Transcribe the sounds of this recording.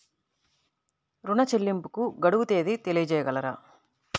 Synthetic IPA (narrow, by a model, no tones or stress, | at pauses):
ɾuɳɐt͡ʃelːimpukuɡɐɽuwut̪e̞ːd̪it̪e̞lijɐd͡ʒɛːjɐɡɐlɐɾa̰ː